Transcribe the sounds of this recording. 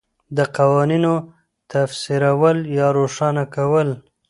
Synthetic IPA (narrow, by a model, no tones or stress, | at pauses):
d̪əqawɑnino | t̪afsiɾawəljɑɾoʂɑnakawəl